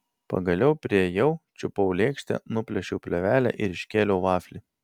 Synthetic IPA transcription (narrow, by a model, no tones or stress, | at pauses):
pɐ̰ɡɐlʲɛʊpʲɾʲijɛʊt͡ʃʲʊpɐʊlʲeːkʃʲt̪ʲɛ̰nʊpʲlʲɛʃʲɛʊpʲlʲɛʋʲæːlʲæ̰ʔɪɾɪʃʲkʲeːlʲɛʊʋɑːfʲlʲi